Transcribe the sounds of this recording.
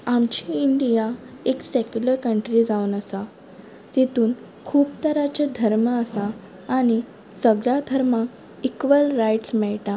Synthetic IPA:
amt͡ɕiːɳɖijaeksekjuləɾkəɳʈɾid͡zaunəsa | t̪et̪uːn | kʰuːpt̪əɾat͡ɕed̪ʱəɾməəsãː | ɽ̃i | səɡɭjad̪ʱəɾma | ikʋəlɾajʈsmɛɭʈa

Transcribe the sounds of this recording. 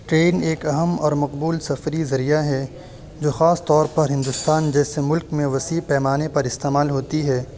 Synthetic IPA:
ʈɾeːneːkɐɦəmɔːɾmɐqbuːlsɐfɾizɐɾijaɦɛ | d͡ʒoːxaːst̪ɔːɾpɐɾɦɪ̃nd̪ʊst̪aːnd͡ʒɛːsemʊlkmẽʋɐsiːpɛːmaːnepɐɾɪst̪eːmaːlɦoːt̪iɦɛː

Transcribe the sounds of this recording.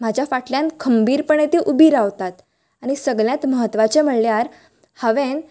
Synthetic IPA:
mad͡ʑʱjafaʈʰljãnkʰəmbiːɾpəɳet̪iʔubiːɾaʋt̪at̪ | aɽ̃isəɡɭjãt̪məɦət̪ːʋat͡ɕem̤əɽljaɾ | həʋen

